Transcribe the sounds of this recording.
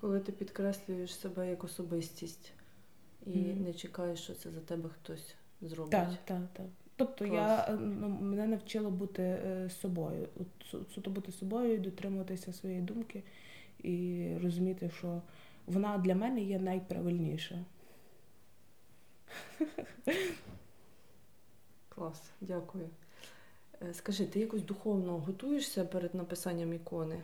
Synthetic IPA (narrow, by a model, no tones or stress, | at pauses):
kɔlˠɪt̪ɪpʲid̪kɾɛsʲlʲʊjeʃsebɛjɐkɔsɔbɪsʲtʲisʲtʲ | inɛt͡ʃɪkɑjeʃt͡ʃɔt̪sɛzɐt̪ɛbɛxt̪ɔsʲ | zɾɔb̪ɪɑtkt̪ɑkt̪ɑk | t̪ɔp̚t̪ɔjanumenɛnɐwt͡ʃɪlˠɔbut̪ɪsɔbɔjʊ̰ɔ̰t̪ssut̪ɔbut̪ɪsɔbɔjʊid̪ɔt̪ɾɪmʊʋɐt̪ɪsʲɐsʋɔjɛjd̪umkɪ | irɔzʊmʲit̪ɪʃt͡ʃɔ | ʋɔnɑd̪lʲɐmɛnɛjɛnɐjpɾɐ̰ʋɪlʲnʲiʃɐ | klˠɑs | dʲakʊjʊ | skɐʒɪt̪ɪjakɔsʲd̪ʊxɔwnɔɦɔt̪ujeʃsʲɐpɛɾed̪nɐpɪsɑnʲːɐmikɔnɪ